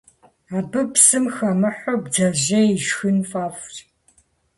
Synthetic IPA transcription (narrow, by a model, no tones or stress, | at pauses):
aːbɨpsɨmxɐmɨħʷobd͡zaʑɐiʒxɨnfaːft